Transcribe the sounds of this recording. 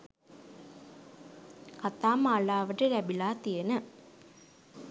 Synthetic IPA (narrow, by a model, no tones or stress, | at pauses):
kat̪aːmaːɭaːʋəʈɨɾæbilaːt̪ijenə